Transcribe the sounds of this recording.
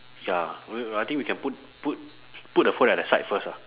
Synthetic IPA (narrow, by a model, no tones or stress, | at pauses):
jaiajt̪ĩŋkwikʰɛ̃nput̚ | put̚ | put̚dəfotɛt̚dəsaɪtfəsa